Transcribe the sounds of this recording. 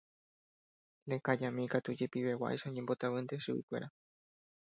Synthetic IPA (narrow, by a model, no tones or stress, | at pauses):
lekad͡ʒãmĩkat̪ud͡ʒe̞piβewa̰ʔḛʃaoɲembo̞t̪aβɨ̃nd̪eʃuḭkʷe̞̰ɾa